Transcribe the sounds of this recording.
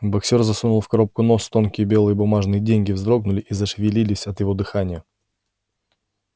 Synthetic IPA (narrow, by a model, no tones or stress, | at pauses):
bɐksʲe̞rzɐsunʊlˠfkɐɾo̞p̚kʊno̞st̪o̞nkʲɪjəbʲe̞lˠɨjəbʊmaʐnɨjədʲenʲɡʲɪvzd̪ɾo̞ɡ̚nʊlʲɪʔizəʂvʲɪlʲilʲɪsʲɐt̪jɪvo̞d̪ɨxanʲɪjə